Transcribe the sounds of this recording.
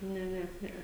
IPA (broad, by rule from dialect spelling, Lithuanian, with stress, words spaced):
ˈnʲɛ ˈnʲɛ ˈnʲɛɛ